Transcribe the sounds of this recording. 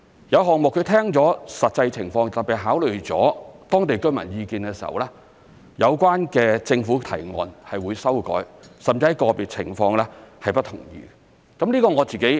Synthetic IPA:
jɐ˨˧wɦɔː˨k̚mʊ˨kʰːɵ˨˧t̪ʰɛː˥ŋt͡sɔː˨˥sɐ˨t̚t͡sɐ˧jt͡sʰɪ˨˩ŋfɔː˧ŋt̪ɐ˨˩piː˨˩ɦaː˨˥wlɵ˨˩ɥt͡sɔ̰ː˨˥t̪ɔː˥ŋt̪e˨jkɵ˥mɐ̰˨˩njiː˧kiː˧nkɛː˧siː˨˩hɐ̰˨wlɛː˥ | jɐ˨˧wkʷwaː˥nkɛː˧t͡sɪ˧ŋfuː˨˥t̪ʰɐ̰˨˩jŋɔ̰ː˨˧nhɐ˨jwuː˨˧jsɐ˥wkɔ̰ː˨˥jsɐ˨˩mt͡si˧˥ɐ˨˩jkɔː˧piː˨t̚t͡sʰɪ̰˨˩ŋfɔː˧ŋlɛ˥hɐ˨jpɐ˥t̪ʰʊ˨˩ŋjḭː˨˧ | kɐ˨˥mliː˥kɔː˧ŋɔː˨˧t͡siː˨ke˨˥j

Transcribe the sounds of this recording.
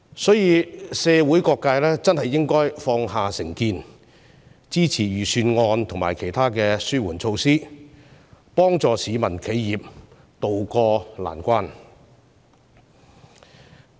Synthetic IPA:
sɔː˨˥jiː˨˧sɛː˧wuː˨˥jkɔː˧kːaː˧jlɛː˥t͡sɐ˥nɦɐ˨jːɪ˥ŋkɔː˥jfɔː˧ŋɦaː˨sɪ˨˩ŋkiː˧n | t͡siː˥t͡sʰiː˨˩jyː˨˩syː˧nŋɔː˧nt̪ʰʊ˨˩ŋmaː˨˩jkʰe˨˩jt̪ʰaː˥kɛː˧syː˥wuː˨˩nt͡sʰo˧wsiː˥ | pɔː˥ŋt͡sɔː˨siː˨˥mɐ˨˩nkʰe˨˥jːiː˨p̚ | t̪o˨wkɔː˧la̰ː˨˩nkʷaː˥n

